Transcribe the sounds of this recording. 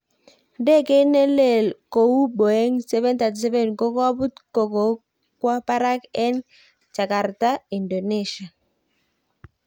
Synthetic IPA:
de˦˨ke˦ne˦le˦˨lko˨u˦bo˨ɛ˦ŋsɛ˦βɛ˦nta˨tsɛ˦vɛ˦˨nko˦ka˦bu˦tko˨ko˨ | kwa˦pa˦ɾa˦kɛ˦n | t͡ʃa˨ka˨ɾta˦i˨ndo˨ne˦˨ʃa˨

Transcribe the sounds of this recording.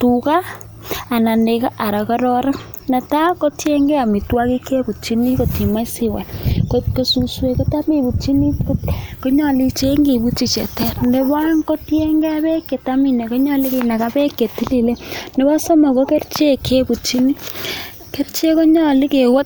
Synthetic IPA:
tu˨kaː˦˨ | na˨nde˨ka˦ʔa˨ɾa˨kɔ˦ɾɔ˦ɾa˦ | na˨ta˦ko˦tje˦ŋɡe˦a˨mi˨twa˦ki˦kʰe˦ku˨t͡ʃi˦ni˦ko˨ti˨ma˦si˦wa̰˨koko˨su˨swe˨ke˦ta˦mi˨bu˨t͡ʃi˦ni˦koko˦ɲɔ˦˨li˦t͡ʃe˦ŋɡi˨bu˦t͡ʃi˦t͡ʃɛ̰˨tɛ˦rnde˦βa˦ŋko˦tje˦ŋɡe˦a˦βe˦ke˨ta˦mi˨ne˨ko˦ɲɔ˦li˦ke˨na˨ka˦pe˦ke˨ti˦li˨le˦ne˦βa˦so˦ma˨ko˦ke˦ɾt͡ʃe˦kʰe˦ku˨t͡ʃi˦ni˦ | ke˦ɾt͡ʃe˦ko˦ɲɔ˦li˦ke˨wo˦t̚

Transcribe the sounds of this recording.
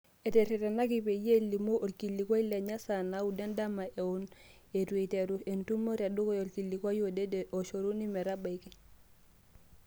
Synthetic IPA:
e˨te˨ɾi˨ɾe˨na˦k̬i˨pe˨je˦li˨mo˦ʔo˨lki˨lːi˨kwa˦i˦le˨ɲa˦sa˨na˦u˨de˦nda˦ma˨ʔe˨u˦n | e˨tu˨e˨te˨ɾu˦e˨ntu˦mo˦ɾia˨du˦ko˦jo˨lki˨lːi˨kwa˦jo˦de˦de˨ʔo˨ʃo˨ɾu˦ni˦mɛ˨ɾa˦ba˨i˨ke˦

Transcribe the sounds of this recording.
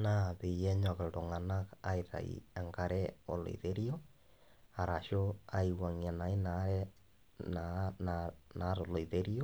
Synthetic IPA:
na˦˨ðe˨jɛ˦ɲɔ˨ɣe˨ɾo˨ŋa˨na˦ka˦i˨ɾa̰˨ḭ˨ɛ˨ŋɡa˨ɾɛ˦o̰˨lo̰˨ðe˦ɾi˦o˦ | a˨ɾa˨ʃo˦a˨i˨wa˨ŋi˨a˨na˨i˦na˦ɾɛ | nanna˨˦ɾo˨lo˨iðeɾi˦o˦

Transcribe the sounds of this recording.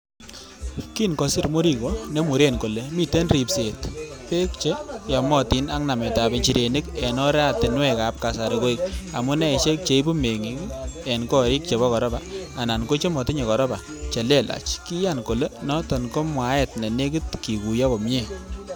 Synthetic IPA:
ki˦nkɔ˨sɪ˦˨ɾmʊ˦ɾi˦ko˨ne˦mu˨ɾe˦˨nko˨le˨mi˨te˦nrɾi˨pse˨tpe˦k̚t͡ʃe˦jɔ˨mɔ˦˨ti˨˦na˦ŋna˨mɛ˨ta˨bɪ˨t͡ʃi˨ɾe˨ni˦kɛ˨nɔ˦ɾɛ˦a˨tɪ˨nwɛ˦ka˨˦p̚ka˨sa˨ɾe˨ko˦i˨k̚a˨mu˦nɛ˦˨ʃe˦k̚t͡ʃe˨i˦bu˦me˨ŋi˦kɛ˨nkɔ˦ɾi˦k̚t͡ʃe˨βɔ˦kɔ˨ɾɔ˦baː˨na˨nko˦t͡ʃe˦mɔ˨tɪ˦ɲe˨kɔ˨ɾɔ˦ba˨ | t͡ʃe˨le˦˨la̰˨t͡ʃki˦ja˦˨nko˨le˦nɔ˦tɔ˨nko˦mwa˨˦ɛ˦˨tnɛ˨ne˦k̬ɪ˦tki˨ku˨ja˦ko˨mɲe˦˨

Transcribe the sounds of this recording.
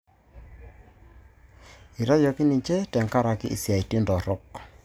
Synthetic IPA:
i˨ɾa˦jɔ˨ki˦ni˨ɲt͡ʃɛ˦tɛ˨ŋka˦ɾa˨kḭ˦ʔi˨sja˨i˨ti˦ndɔ˨ɾɔ˦k

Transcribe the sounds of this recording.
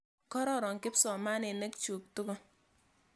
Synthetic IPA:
kɔ˦ɾɔ˦˨ɾɔ˨ŋkɪ˦psɔ˨ma˦ne˨ne˦k̚t͡ʃo˨k̚tu˦ɡo˦

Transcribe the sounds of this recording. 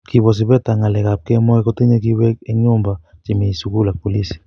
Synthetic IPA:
ki˨βɔ˨s̬i˨βɛ˦ta˨ŋa˨lɛ˨ka˨p̚kɛ˦mɔ˦ɛko˦ti˦ɲe˦kiwɛ˦e˦ɲombat͡ʃi˨mi˨suku˦la˨po˨li˦si̥˨

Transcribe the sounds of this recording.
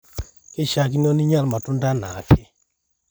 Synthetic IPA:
ke˦ʃa˨k̬i˦n˦ɔ˦ni˦ɲa˦lma˨tʊ˦nda˦na˨kʰe˦

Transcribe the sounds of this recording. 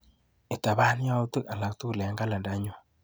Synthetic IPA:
e˨ta˨βa˦ni˦ja˦u˦tu˦a˨la˨ktu˦˨le˨ŋɡa˦la˨nda˦ɲo˦

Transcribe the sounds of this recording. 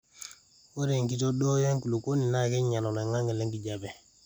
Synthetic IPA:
wo˦ɾe˨ŋki˦to˦do˦ja˦ŋku˨lu˨ko˦ni˨na˦ki˦ɲa˨lo˨le˨ŋa˦ŋɡe˨le˦ŋɡi˨ɟa˨be˨

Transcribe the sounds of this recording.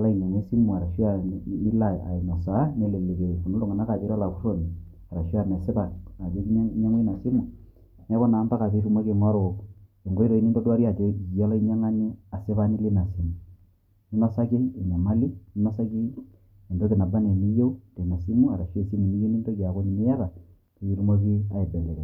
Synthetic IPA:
la˦i˨ɲa˨ŋe˦si˦mu˨a˨ɾa˨ʃwa˨i˦la˨a̰˨i˨na˨sa˨˦ne˦le˨le˨ke˨fu˨no˦lo˦˨ŋa˨na˦ka˨te˨˦ɾa˦la˨ku˦ro˦˨ni˨ | a˨ɾa˨ʃwa˦˨n˨a˨sɪ˦ba˨na˨te˦kɲa˦ŋe˦i˦na˨si˦mu˨ | n˦a˦kɔ˦naː˨˦mba˦ka˨te˦ɾu˦ma˦ke˨ŋɔ˦ɾo˨ke˨ŋɡo˦i˦ɾo˨i˦ni˦ndo˦dwa˦ɾi˦a˨te˦˨ɔ˦lɔ˦i˦ɲa˦ŋa˦ne˦a˨sɪ˦βa˦ni˦li˦na˨si˨mu˨ | ni˦nɔ˦sa˦kiː˦˨na˨ma˦li˦ni˦nɔ˦sa˦ki˦ | e˨ndo˦ki˨na˨ba˦ne˨ni˦je˦u˦te˨na˨si˦mu˦a˨ɾa˨ʃe˦˨si˦mu˨ni˦je˦ni˦ndo˦d͡ʒa˨ko˦ni˨mɪ˦ja˦βa˨ | ke˨i˦ɾu˦mo˦ki˦a˨e˨bɛ˨le˨kɛ˨

